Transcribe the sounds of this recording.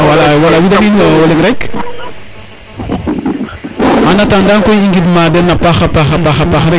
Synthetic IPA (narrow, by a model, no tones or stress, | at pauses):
walawalawidaŋiɲɔwɔliŋɾɛk | manatandaŋkɔjiŋɡidmadɛnːapaxapaxapaxapaxɾɛ